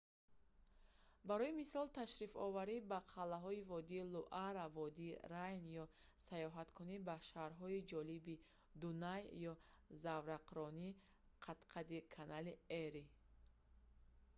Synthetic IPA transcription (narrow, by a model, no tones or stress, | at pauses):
baɾɔimisɔlt̪ʰaʃɾifɔ̰vaɾibaqʰalːaɦɔivɔd̪iːluʔaɾavɔd̪iːɾajnjɔ | sajɔɦat̪kʰunibaʃaɾɦɔid͡ʒɔlibi | d̪unajjɔzavɾaqɾɔni | qʰat̪qʰad̪ikʰanalieɾi